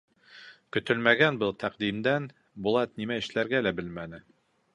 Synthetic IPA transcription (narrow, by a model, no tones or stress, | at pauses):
kɵ̆t̪ɵlmæɡænbɤlˠt̪ʰæqd̪imd̪æn | bulˠɑt̪̚nimæɘ̆ʃlæɾɡælæbɘlmænɘ